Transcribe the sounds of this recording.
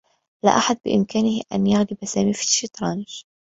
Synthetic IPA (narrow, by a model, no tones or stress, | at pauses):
la̰ʔaħad̪̚bɪʔɪmkaːnɪhʔa̰njaɣlɪbasaːmifi̥ʃit̪ɾˤɑnʒ̥